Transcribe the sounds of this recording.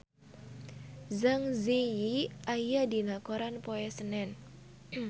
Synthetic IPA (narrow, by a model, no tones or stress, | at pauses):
zaŋzejiʔajad̪inakoɾanpoɛsənɛn